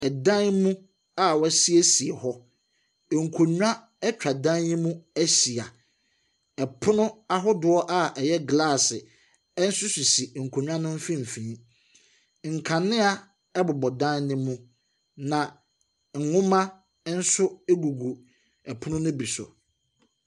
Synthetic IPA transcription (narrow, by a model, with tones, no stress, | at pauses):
ɛ˨dã˦nmũ˦ | a˦˨wsi˦e˦si˨ɛ˨hɔ˦˨ | ŋ̩˨kʰo˨ɲᶣ˦ã˦ | ɛ˦t͡ɕᶣa˨dã˦nː˦ɪ̃˦mũ˦æ˦si˨a˨ | ɛ˨pʰʊ˦nʊ̃˦a˦ɦɔ˦dʊ˦ɔ˦ʔa˦ʔɛ˨jɛ˦ɡla˦˨sɪ˨ | ɛ˦n̩˦sʊ˦su˨si˨ŋ̩˨kʰo˨ɲᶣ˦ã˦nʊ̃˦m̩˦fĩ˦m̩˨fĩ˨˦ | ŋ̩˨kʰã˨nɪ̃˦a˦ | ɛ˦bʊ˨bɔ˨dã˦nnɪ̃˦mːũ˦ | nã˨ | ŋ̩˨ŋʊ̃˦mã˦ | n̩˦sʊ˦ɛ˦ɡu˨ɡu˨ | ɛ˨pʰʊ˦nʊ̃˦nʊ̃˦bi˨sʊ̰˨